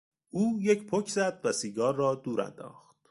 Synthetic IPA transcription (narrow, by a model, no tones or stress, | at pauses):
ʔuːjecʰpʰocʰzæd̪væsiːɡɒːrːɒːd̪uːɾæ̰nd̪ɒ̰ːχt̪̚